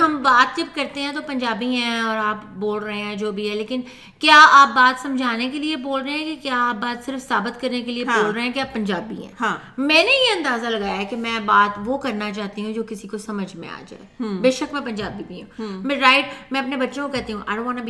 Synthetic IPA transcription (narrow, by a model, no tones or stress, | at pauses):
ɦɐmbaːt̪̚d͡ʒɐb̚kɐɾt̪eɦɛ̃t̪̬opɐ̃ɲd͡ʒaːbiɦɛ̃ɔːɾaːpboːlɾɐɦẽɦɛ̃d͡ʒoːbʱiɦɛleːkɪn | kjaːaːp̚baːt̪sɐ̃md͡ʒʱaːnekelieboːlɾəɦeɦɛ̃kekjaːaːp̚baːt̪sɪɾfsaːbɪt̪kɐɾnekelieɦboːlɾɐɦẽɦɛ̃keaːpːɐɲd͡ʒaːbḭɦɛ̰̃ːɦãː | mɛ̃ːnejeɐ̃nd̪aːzalɐɡaːjaɦɛkemɛ̃ːbaːt̪ʋokɐɾnat͡ʃaːt̪iɦũd͡ʒoːkɪsikosɐməd͡ʒʱmḛ̃a̰ːd͡ʒa̰ːɛbeːʃəkmɛ̃pɐ̃ɲd͡ʒaːbibʱiɦũːmɛ̃ɾaːɪʈmɛ̃ɐpnebɐtːʃõkokɛɦt̪iɦũːʔa̰ɪɖõãːnabi